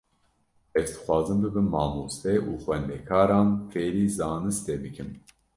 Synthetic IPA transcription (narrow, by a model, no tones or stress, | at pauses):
ɛvd̪ɨ̥xʷɑːzɨmbɨbɨnmɑːmoːst̪ɛʔuːxwɛnd̪ɛkʰɑːɾɑːnfeːɾiːzɑːnɨst̪ebɨkʰɨm